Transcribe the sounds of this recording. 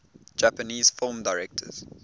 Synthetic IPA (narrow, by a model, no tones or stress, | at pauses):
d͡ʒæpəniːz̥fɪlˠmdaɪɹɛk̚tʰə̰z̥